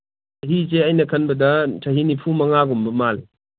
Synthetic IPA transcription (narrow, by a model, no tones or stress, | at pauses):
tɐɦis̬eɐjnɐkʰɐnbɐdɐtʰɐɦinipʰumɐŋaɡumbɐmali